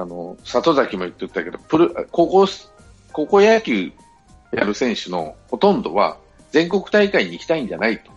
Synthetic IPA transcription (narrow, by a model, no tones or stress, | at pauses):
ano̞sat̪o̞zakʲimojɯ̟t̪ːet̪ːake̞d̪o̞pɯ̟ɾɯakokos | ko̞ko̞jakʲɨː | jaɾɯ̟sẽ̞ɰ̃ɕɨno̞̰ho̞t̪õ̞nd̪o̞̰βa̰ | d͡zẽ̞ŋko̞kɯ̟̥t̪aikaiɲ̟iːkʲi̥t̪aĩɲ̟d͡ʑanait̪o̥